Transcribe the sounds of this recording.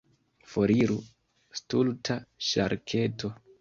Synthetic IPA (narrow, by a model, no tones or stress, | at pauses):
foɾiɾu | stultʰaʃa̰ɾkʰe̞tʰo̞